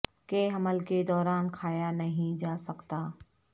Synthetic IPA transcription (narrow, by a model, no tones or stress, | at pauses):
keɦɐməlked̪ɔːɾaːnkʰaːjanɐɦĩd͡ʒaːsɐkt̪aː